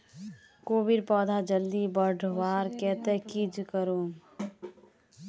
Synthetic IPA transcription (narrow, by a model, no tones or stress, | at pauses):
koːʋiɖpɔːd̪ʱad͡ʒəld̪ibəɖʱʋaːɾkɛːt̪ekid͡ʒkəɾom